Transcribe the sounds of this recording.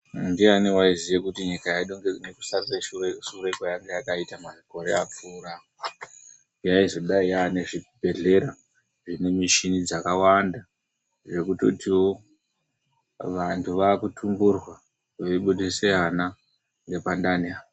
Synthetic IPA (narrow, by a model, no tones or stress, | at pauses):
ndianiwaizijekutiɲikajaiɗoŋɡeneku̥saeʃureʃurekajaŋɡejakaitamaʐiko̞ɾe̞̰ap͡fuːɾa | jaizo̞ɗaiane̞ʐibʱe̞ɮe̞ɾa | ʐine̞miʃinid͡zakawanda | ʐe̞kuto̞̰tiwo̞ | ʋantʰuʋaːkutʰumburwa | ʋeɓuteseana | ŋɡe̞pandania